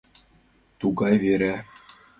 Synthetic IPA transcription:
t̪uɡɑjvʲeɾʲæ

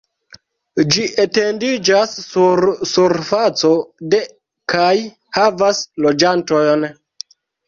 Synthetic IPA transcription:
d͡ʒiʔete̞ndid͡ʒasːuɾsuɾfat͡so̞de | kaj | havaslo̞d͡ʒantojn

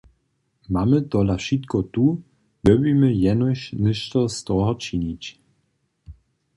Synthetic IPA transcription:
mamɘt̪ɔlafʂit̪kɔt̪u | dɔbimɘjɛnɔɕnɘʃt̪ɔst̪ɔɦɔt͡ʂiɲit͡ɕ

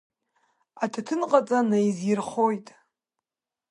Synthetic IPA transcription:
atʰatʰɨnqʼat͡sʼanajzirχojtʼ

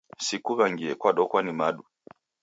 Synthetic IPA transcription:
sikuβaŋɡiɛkwaɗɔkwanimaɗu

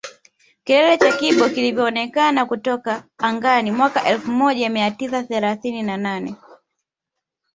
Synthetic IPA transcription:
kilɛlɛt͡ʃakiɓɔkilivjɔːnɛkanakutɔkaːŋɡanimwakaʔɛlfumɔʄamiatisaθɛlaθininananɛ

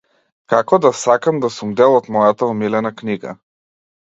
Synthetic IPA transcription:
kakɔd̪asakamd̪asumd̪ɛlˠɔt̪mɔjat̪aɔmilɛnakniɡa̰

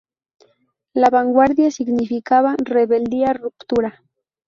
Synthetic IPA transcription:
laβaŋɡwaɾd̪jasɪɡnɪfɪkaβareβeld̪iarʊpt̪ʊɾa

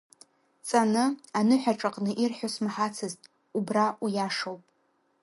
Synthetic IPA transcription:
t͡sʼanɨanɨħʷᶣaʈ͡ʂʼaqʼnɨʔirħʷᶣosmħat͡sʰɨztʼ | ubraʔujaʂowpʼ

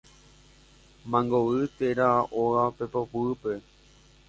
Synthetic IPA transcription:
mãŋɡoʋɨt̪eɾaʔoɣape̞popuɨpe̞

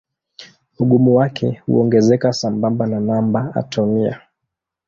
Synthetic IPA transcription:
uɠumuwakʰɛhṵɔŋɡɛzɛkasambambananambaa̰tɔmia̰

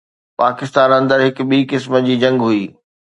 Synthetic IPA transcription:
paːkɪst̪aːnɐ̃nd̪əɾɦɪkʊ̆ɓiːkɪsməd͡ʑiːd͡ʑɐ̃ŋɡɦʊiː

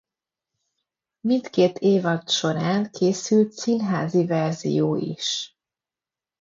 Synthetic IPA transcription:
mint̪keːt̪ʰeːvɒt̪ʃo̞ɾaːŋkʰeːsylt̪sinɦaːzivɛrzḭjoːʔḭʃ

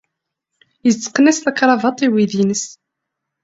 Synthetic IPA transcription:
jət͡sːə̥qːnæsθækɾˤɑvɑt̪ˤiwiðinəs

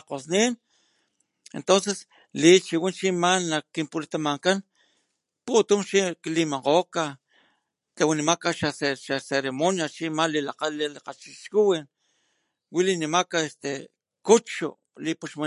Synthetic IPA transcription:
qosnin | ḛnt̪ons̬es | lit͡ʃiwint͡ʃimanlakːimpulit̪amaŋkan | put̪umʃiklimaqoka | t̪awinimakaʃaseʃaseɾemonjat͡ʃimalilaqallilaqat͡ʃiʃkuwin | wilinimakaest̪e | kut͡ʃṵ | lipuʃma

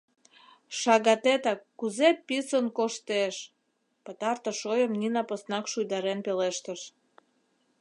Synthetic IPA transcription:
ʃɑɣɑt̪et̪ɑkːuzepisənkoʃt̪eʃ | pət̪ɑrt̪ə̆ʃojəmninɑposnɑkʃujd̪ɑɾenpeleʃt̪əʃ

